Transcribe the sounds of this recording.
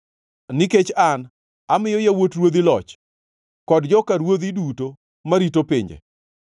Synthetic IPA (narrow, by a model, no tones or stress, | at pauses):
nɪket͡ʃan | amɪjɔjawotɾwod̪ilɔt͡ʃ | kɔdd͡ʒɔkaɾwod̪iduto | maɾitopɪ̰ɲd͡ʒḛ